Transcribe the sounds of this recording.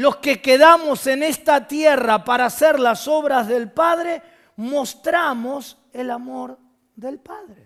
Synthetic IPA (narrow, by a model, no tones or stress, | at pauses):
lo̞ske̞keðamo̞se̞ne̞st̪at̪jerapaɾaseɾlaso̞βɾazðe̞lpað̞ɾe̞ | mo̞st̪ɾamo̞s | elamo̞ɾ | ðe̞lpaðɾe